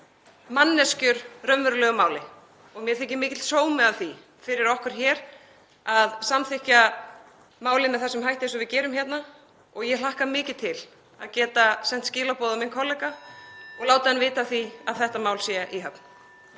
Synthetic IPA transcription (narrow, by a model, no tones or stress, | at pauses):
manːɛscʏɾrœmvʏɾlœɣʏmaːwlɪ | ɔɣmjɛɾθɪcɪmɪːcɪt̪soːwmɪðavθi | fɪɾɪɾɔhkʏɾ̥çɛːɾ̥ | aðsamθɪhca | maːwlɪmɛðθɛsːʏmɦajht̪ɪs̬ɔvɪðcɛːɾʏmçɛt̪na | ɔɣjɛl̥ahkamɪːcɪ̥t̪ʰɪl | aðcɛːt̪asɛn̥t̪scɪːlapɔːðaminkʰɔlːɛkaɔɣlaːwt̪aðɛnvɪːt̪aθiaðθɛht̪amaːwlsjɛʔiɦœpn